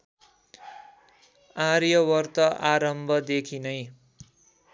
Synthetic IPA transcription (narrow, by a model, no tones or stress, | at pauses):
arjʌwʌrt̪ʌʔaɾʌmbʱʌd̪ekʰinʌj